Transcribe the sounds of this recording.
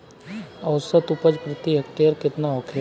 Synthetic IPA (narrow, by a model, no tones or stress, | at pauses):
ɐʊsət̪ʊpəd͡ʒpɾɪt̪iɦəkt̪eəɾkɪt̪naokʰ